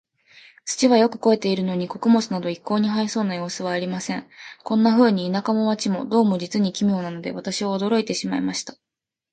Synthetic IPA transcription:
t͡sɨ̥t͡ɕiβajo̞kɯ̟̥ko̞e̞t̪e̞iɾɯ̟no̞ɲ̟iko̞kɯ̟mo̞t͡sɨnad̪o̞ikːo̞ːɲ̟iɦaiso̞ːnajo̞ːsɨβ̞aːɾʲimasẽ̞ŋkõ̞nːaɸɯ̟ːɲ̟iːnakamo̞βat͡ɕimo̞d̪o̞ːmo̞d͡ʑit͡sɨɲ̟ikʲimʲo̞ːnano̞d̪e̞̰βat̪aɕioːd̪o̞ɾo̞it̪e̞ɕima̰ḭmaɕi̥t̪ḁ

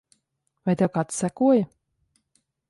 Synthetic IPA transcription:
vajt̪ʲɛwkaːt̪ssʲækuɔja

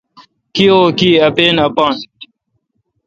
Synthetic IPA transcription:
kioːkiːɐpeːnɐpaːn

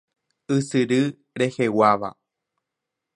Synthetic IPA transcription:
ɨsɨɾɨ | ɾe̞he̞waʋa̰

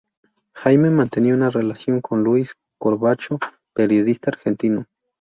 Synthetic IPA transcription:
xajmemãnt̪eniounarelasjoŋkʰonluis | koɾβat͡ʃo | peɾjoðist̪aːɾxent̪ino

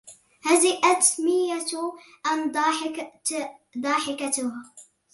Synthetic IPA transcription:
hazɪʔat̪mɪja | ʔand̪ | d̪ˤɑːħɪkat̪ʊha

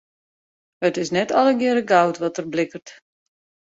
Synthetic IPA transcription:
hətɪsnɛtʰɔlˠəɡɪɾəɡawtʋɔtərblɪkərt

